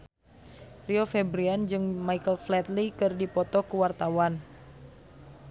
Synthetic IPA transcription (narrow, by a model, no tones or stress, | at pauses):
riofɛbɾiand͡ʒɨŋmaikəlflɛt̪likɨrdipɔt̪ɔkuwart̪awan